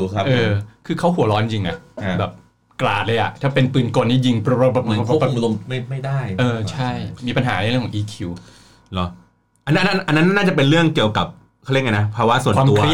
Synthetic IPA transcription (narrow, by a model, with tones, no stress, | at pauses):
kʔɤː˧kʰɯː˧kʰa˦˥wɦu˨˩˦lɔː˦˥nt͡ɕi˧ŋʔa˦˥˩bɛː˨˩p̚ | kla̰ː˨˩t̪̚lɤ˧jʔa̰˨˩ʔt̪ʰaː˥˩pe˧npɯː˨˩nko˧nt̪ʰiː˥˩ji˧ŋ˧˦˥o˧mma˥˩ma˥˩jda˥˩jʔɤː˧t͡ɕʰa˥˩jmiː˧pa˧nɦaː˩˦ɾɾi˥˩ŋkʰɔ˩˦ʔiː˧˩kʰi˧w | lɔ˦ | ʔa˧nː˦nʔna˦nʔa˧nːa˦˥nːa˥nːaː˥˩t͡ɕa˨˩p̬e˧nɾɯ˥˩əŋki˨˩əwka˨˩p̚ | kʰi˦˥˩ŋa˧na˦˥pʰaː˧wa˦˥su˨˩nwaː˧mt̪u˧kɐ˧ɾ